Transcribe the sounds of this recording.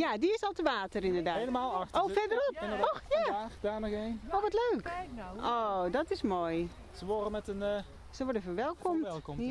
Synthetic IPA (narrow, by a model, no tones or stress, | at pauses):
jadiɪsɔlˠtəʋaːtərɪndərdaeləmaːlˠaxtʔowfɛdəɾɔpɪnəoxjaaxədaːnəɣenoːʋɔtløːkʔodɔtɪsmoj | səʋorəmɛtən | səʋɔɹdəfərʋɛlˠkɔmɛtlˠkɔm